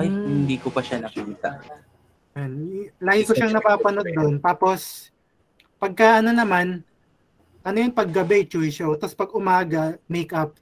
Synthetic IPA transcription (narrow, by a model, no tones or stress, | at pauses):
ʔajhɪnd̪ikopɐʃanɐkit̪a̰ | janlaːɡɪkoʃaŋnɐpaːpɐnod̪̚ːo̞nt̪aːpo̞s | pɐɡ̚kaːʔɐno̞nɐman | ʔɐnojʊŋpɐɡːɐbɛt͡ʃujʃot̪ɐspɐɡʔʊmaːɡɐmejkʔap̚